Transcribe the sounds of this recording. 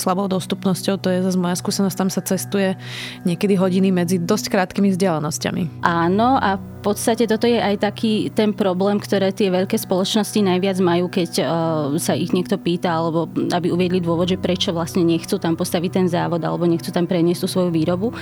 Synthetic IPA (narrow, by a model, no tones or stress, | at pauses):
slabɔʊd̪ɔst̪upnɔscɔʊt̪ɔjɛzazmɔjaskuːsɛnɔsct̪amsat͡sɛst̪ujɛ | ɲɛkɛd̪iɦɔɟinimɛd͡zid̪ɔsckɾaːt̪kimivzɟɪɛlɛnɔsca̰mḭʔaːnɔʔafpɔt̪st̪acɛt̪ɔt̪ɔjɛʔajt̪akʰiːt̪ɛnpɾɔblɛːmkt̪ɔɾɛːt̪ɪɛʋɛʎkɛːspɔlɔt͡ʃnɔscinajʋɪad͡zmajuːkɛcsaiɣɲɪɛk̚t̪ɔpiːt̪aalɛbɔabiuʋɪɛd̪lid̪ʊɔʋɔd̪ʒɛpɾɛt͡ʃɔʋlast̪ɲɛɲɛxt͡sut̪ampɔst̪aʋic̚t̪ɛnzaːʋɔd̪a̰lɛbɔɲɛxt͡sut̪ampɾɛɲɪɛst̪usʋɔjuʋiːɾɔbu